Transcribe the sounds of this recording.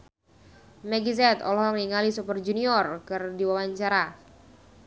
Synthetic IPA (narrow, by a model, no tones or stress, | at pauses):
mɛɡizɛt̪ɔ̰lɔhŋniŋalisupərd͡ʒuniɔrkɨrdiwawaɲt͡ʃaɾa